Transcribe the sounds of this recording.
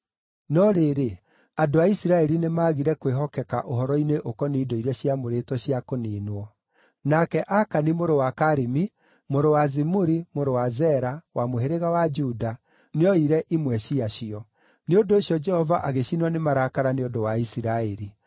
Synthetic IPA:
nɔɾeːɾe | adoaisiɾaɛɾinemaːɣiɾɛkweɦɔkɛka̰ʔoɦɔɾɔineʔokɔniːdoiɾaɕiamoɾetwɔɕiakoniːnwɔ | nakɛʔakanimoɾowakaɾimi | moɾowazimuɾimoɾowazɛɾawamoɦeɾeɣawad͡ʒuda | neɔiɾɛʔimwɛɕiaɕiɔ | neondoːɕjɔd͡ʒɛhɔvaʔaɣeɕinwanemaɾakaɾaneodowaisiɾaɛɾi

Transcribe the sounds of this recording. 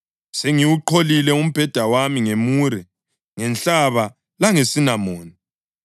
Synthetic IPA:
seŋiwuǃʰolilɛum̩b̥ʱɛd̥ʱawamiŋemuːɾɛ | ŋɛnt͡ɬaβa | laŋesinamoːni

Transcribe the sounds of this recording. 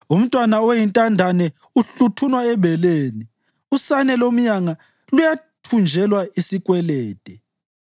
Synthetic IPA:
um̩tʼwanaojintʼandʱanɛ | uɬutʰunwaɛβɛleːni | usanɛlom̩ɲaŋa | lujatʰund͡ʒʱɛlwaisikʼwɛlɛːtʼɛ

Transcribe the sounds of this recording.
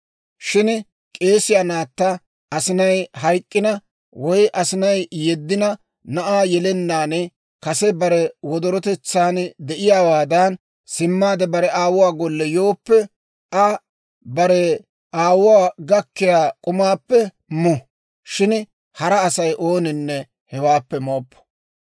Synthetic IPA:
ʃɪn | kʼe̞ːsɪjaːnaːt̪ːa | ɐsɪnɐjhɐjkʼːɪnɐ | wɔjʔɐsɪnɐjjɛd̪ːɪnɐ | nɐʔaːjɛlɛnːaːnɛ | kɐsɛbɐɾɛwɔd̪ɔɾɔt̪ɛt͡sːaːnd̪ɛʔɪjaːwaːd̪ɐn | sɪmːaːd̪ɛbɐɾɛaːwʊwaːɡɔlːɛjo̞ːpːɛ | ʔɐ | bɐɾɛ | ʔaːwʊwaːɡɐkːɪjaːkʼʊmaːpːɛ | mʊ | ʃɪn | hɐɾɐːsɐjʔo̞ːnɪnːɛ | hɛwaːpːɛmoːpːɔ̥

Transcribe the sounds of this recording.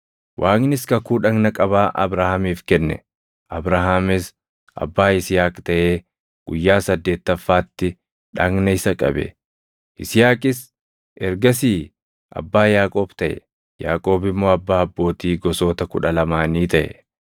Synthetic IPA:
wʔaːŋnɪskɐkuːᶑɐɡnɐkʼɐbaːʔɐ̰bɾahamiːfkɛnːɛ̰ | ʔɐbɾaɦamɪs | ɐ̰bːaːɪsɪjaːkt̪ɐʔe̞ː | ɡ̥ʊjːaːsɐd̪ːeːt̪ːɐfːaːt̪ːɪ | ᶑɐŋnɐɪsɐkʼɐ̰bɛ̰ | ɪsɪjaːkʼɪs | ʔɛɾɡɐsiː | ɐ̰bːaːjaːkʼo̞ːb̥t̪ɐʔɛ̰ | ja̰ːkʼo̞ːbɪmːo̞ːɐbːaːɐbːo̞ːt̪iːɡɔso̞ːt̪ɐkʊᶑɐlɐmaːniːt̪ɐʔɛ̰

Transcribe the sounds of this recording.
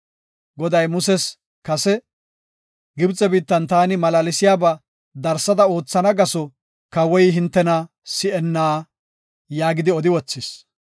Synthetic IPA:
ɡɔd̪ɐjmʊsɛs | kɐsɛ | ɡɪbt͡sʼːɛbiːt̪ːɐnt̪aːnɪmɐlaːlɪsɪjaːba | d̪ɐɾsːɐd̪ɐo̞ːt͡sːɐnɐɡɐsɔ | kɐwɔjɦɪnt̪ːɛnɐ | sɪʔɛnːaː | jaːɡɪd̪ɪɔd̪ɪwɔt͡sːɪs

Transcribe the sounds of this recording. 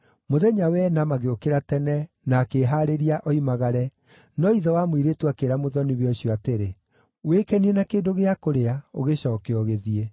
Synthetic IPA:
moðɛɲawɛnamaɣeokeɾatɛnɛ | naːkeːɦaːɾeɾiaʔɔimaɣaɾɛ | nɔiðɔwamoiɾetwakeɾamoðɔniβeɔɕiɔateɾe | wekɛniɛnakeːdoɣeakoɾeao̰ɣeɕɔːkeɔɣeðie

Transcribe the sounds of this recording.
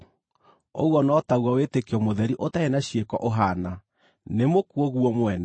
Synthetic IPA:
o̰ɣwɔnɔtaɣwawetekeɔmoðɛɾiʔotaenaɕiekɔʔoɦana | nemokuɔɣuɔmwɛna

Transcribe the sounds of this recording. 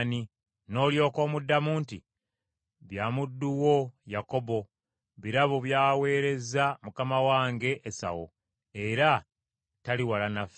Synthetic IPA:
ni | no̞ːljo̞ːko̞ːmudːamuːnti | βjaːmudːuwo̞jako̞bo̞ | βiɾaβoβjaːwe̞ːɾe̞zamukamawaːŋɡe̞ʔːsa̰wo̰ | e̞ɾa | taliwalanaf

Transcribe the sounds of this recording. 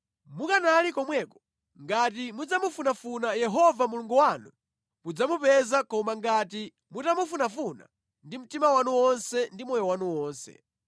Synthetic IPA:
mukanalikɔmwɛkɔ̥ | ŋɡat̬imud͡zamufunafunajɛɦɔvamuluŋɡuwanu | mud͡zamupɛzakɔmaŋɡati | mutamufunafuna̰ | ndim̩timawanuwɔnsɛndimɔjɔwanuwɔːnsɛ̰

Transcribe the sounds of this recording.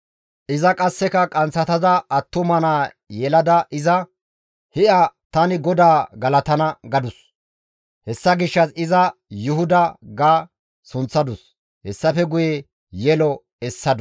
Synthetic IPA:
ʔɪzɐkʼɐsːɛkɐkʼɐnt͡sːɐt̪ɐzɐʔɐt̪ːʊmɐnaː | jɛlɐd̪ɐʔɪzɐ | hɪʔɐt̪ɐnɪɡɔd̪aːɡɐlɐt̪ɐnɐɡɐd̪ʊs | hɛsːɐɡɪʃːɐsɪzɐjʊhʊd̪ɐɡaː | sʊnt͡sːɐd̪ʊs | hɛsːɐfɛɡʊjɛ | jɛlɔ | ɛsːɐd̪ʊ

